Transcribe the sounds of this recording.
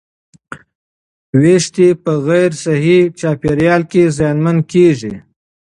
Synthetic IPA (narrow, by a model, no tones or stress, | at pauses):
weʃt̪ipəɣajɾsaɦit͡ʃɑːpeɾjɑlkezjɑːnmankeʒi